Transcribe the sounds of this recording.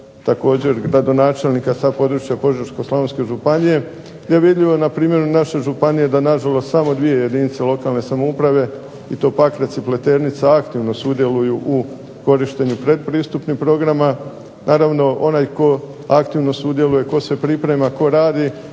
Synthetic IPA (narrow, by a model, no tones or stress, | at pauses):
t̪ako̞ːd͡ʑe̞ɾɡɾad̪o̞naːt͡ʃe̞lnikasapo̞d̪ɾut͡ʃjapo̞ʒeɾʃko̞slˠaonske̞ʒupanije̞ | d̪eʋid̪ʎiʋo̞napɾiːmje̞ɾunaʃe̞ʒupanije̞d̪anaʒalˠo̞st̪samo̞d̪ʋie̞je̞d̪iːnit̪selo̞kalˠne̞samoupɾaʋe̞ | it̪o̞pakɾe̞t̪siple̞t̪e̞ɾnit̪saakt̪iʋno̞sud̪je̞lujuʔu | ko̞ɾiʃt̪e̞ɲupɾe̞d̪pɾiːst̪upnipɾo̞ɡɾama | nʔaːɾaʋno̞o̞najko̞ | akt̪iʋno̞sud̪je̞luje̞ko̞sʋe̞pɾipɾe̞mako̞ɾaːd̪i